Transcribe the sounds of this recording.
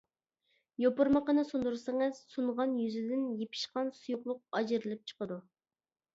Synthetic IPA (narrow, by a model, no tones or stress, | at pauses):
jopʊɾməqənɨsund̪uɾseŋɨz̥suɴʁɑnjyzɪd̪ɪnjepʰɪ̥ʃqɑnsujʊχlˠʊq̚ɑd͡ʒɪɾɪlɪp̚t͡ʃʰə̥qəd̪u